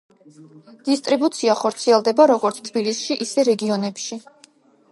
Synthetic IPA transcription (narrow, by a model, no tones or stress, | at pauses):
d̪̥ist̪ʼɾibut̪sʰiaχɔɾt̪sʰiɛlˠd̪ɛbaɾɔɡɔɾt̪sʰt̪ʰbilisʃiʔisɛɾɛɡiɔnɛpʃi